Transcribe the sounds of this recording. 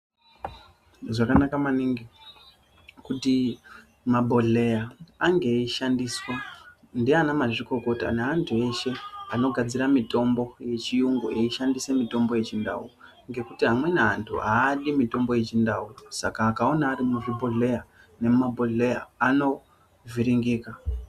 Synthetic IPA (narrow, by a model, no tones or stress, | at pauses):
ʐakanakamaniŋɡi | kuti | mabʱo̞ɮe̞jaːŋɡe̞iʃandiswa | ndianamaʐiko̞ko̞ta̰neɦantʰue̞ʃe̞ano̞ɡʱad͡ziɾamito̞mbo̞je̞t͡ʃijuŋɡueiʃandise̞mito̞mbo̞je̞t͡ʃinda̰ṵ | ŋɡe̞kutiɦamwe̞neɦa̰ntʰṵɦaːɗimito̞mbo̞je̞t͡ʃindausa̰kaːkao̞naːɾimuʐibʱo̞ɮe̞ja | ne̞mumabʱo̞ɮe̞jaːno̞ | vʱiɾiŋɡiːka